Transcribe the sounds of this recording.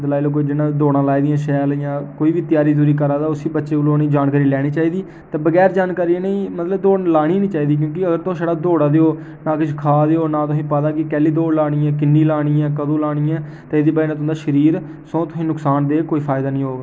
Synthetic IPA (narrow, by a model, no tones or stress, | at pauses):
d̪laːiloːk̬oːiːd͡ʒɪnãːd̪oːɽ̃ãːlaːiːd̪ijãːʃɛːljãːkoːiːʋiːt̪jaːɾiːzuːɾiːkəɾaːd̪aːʊsiːbətːʃeːʊloːnĩːd͡ʒaːnkaːɾiːlɛːɽ̃iːt͡ʃaːiːd̪iː | t̪ãːbəɡɛːɾd͡ʒaːnkaːɾiːeneĩːmət̪ləbd̪oːɽlaːɽ̃iːnĩːt͡ʃaːiːd̪iːk̬jõːkɪəɡəɾt̪ʊ̃ʃəɽaːd̪oːɽaːd̪eoː | naːkɪd͡ʒkʰaːd̪eoːnaːt̪ʊsĩːpəd̪aːkɪkɛːliːd̪oːɽlaːɽ̃iːɛ̃ːkɪnːiːlaːɽ̃iːɛ̃ːkəd̪õːlaːɽiːɛ̃ː | t̪eːeːd̪iːbaːinãt̪ʊ̃nd̪aːʃəɾiːɾ | sõːt̪ʊsĩːnʊksaːnd̪eːkoːiːpʰaːjd̪aːnĩːɦoːɡa